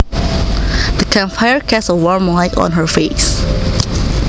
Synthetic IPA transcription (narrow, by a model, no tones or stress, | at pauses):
ðəkʰɛ̃nfaɪəɹkʰɛsəwɔɹmlaɪkɔ̰̃nɦə˞fes